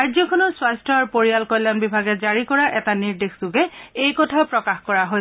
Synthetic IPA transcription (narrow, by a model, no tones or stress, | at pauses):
ajzɔkʰɔnɔswastɔaɹpoɹijalkɔjlːanbibʱaɡɛzaɹikɔɹaʔɛtaniɹdexzuɡɛejkɔtʰapɹɔkaxkɔɹaɦoj